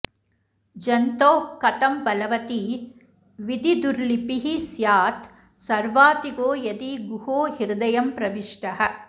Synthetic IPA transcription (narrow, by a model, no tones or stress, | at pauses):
d͡ʒɐnt̪oːkɐt̪ɐmbɐlɐʋɐt̪i | ʋid̪id̪uɾlipiɦisjaːt̪ | sɐɾʋaːt̪iɡoːjɐd̪iɡuhoːɦiɾd̪ɐjɐmpɾɐʋiʂʈɐɦɐ̆